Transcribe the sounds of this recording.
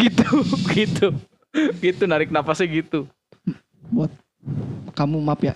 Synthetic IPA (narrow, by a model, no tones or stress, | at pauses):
it̪uɡit̪u | ɡit̪unaɾɪk̚napasɛɡit̪u | buat̪̚ | kamumapja̰